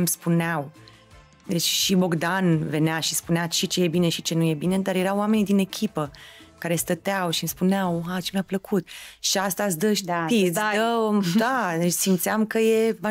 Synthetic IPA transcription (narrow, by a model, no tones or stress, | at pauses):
mspuneaw | d̪et͡ʃʲʃibo̞ɡd̪anve̞neaʃispuneat͡ʃit͡ʃeje̞bine̞ʃit͡ʃe̞nuje̞bine̞d̪aɾje̞ɾawːame̞nid̪ine̞kʲʰipəkaɾe̞st̪ət̪eawʃimspuneawɦat͡ʃe̞mʲapləkʰut̪ʃiast̪asd̪əʃid̪əd̪aesimt̪sʲamkəje̞ma